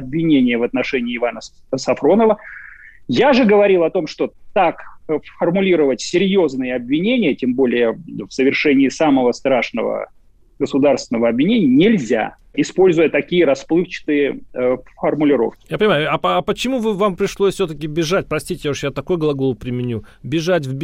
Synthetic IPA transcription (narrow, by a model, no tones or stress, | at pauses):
ɐbvʲɪnʲenʲɪjəvɐt̪̚nɐʂɛnʲɪːɪvanə | sɐfɾo̞nəvə | jaʐɨɡəvɐɾʲilˠɐt̪o̞mʂt̪o̞t̪akfərmʊlʲiɾəvətʲsʲɪɾʲjo̞znɨjəɐbvʲɪnʲenʲɪjətʲembo̞lʲɪjəfsəvʲɪrʂɛnʲɪːsaməvəst̪ɾaʂnə̰və̰ | ɡəsʊd̪arst̪vʲɪnəvəɐbvʲɪnʲenʲɪənʲɪlʲzʲa̰ | ɪspo̞lʲzʊjət̪ɐkʲijəɾɐsplˠɨxt͡ɕɪ̥t̪ɨjəfərmʊlʲɪɾo̞̰fkʲɪ̥japənʲɪmajʊɐːpət͡ɕɪmuvɨvampɾʲɪʂlˠosʲsʲɵt̪əkʲɪbʲɪʐatʲpɾɐsʲtʲitʲɪjaʂjat̪ɐko̞jɡlˠɐɡo̞lˠpɾʲɪmʲɪnʲubʲɪʐatʲvbʲ